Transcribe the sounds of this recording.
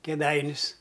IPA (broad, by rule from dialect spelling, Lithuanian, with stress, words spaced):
kʲeːˈdɐɪnʲʊs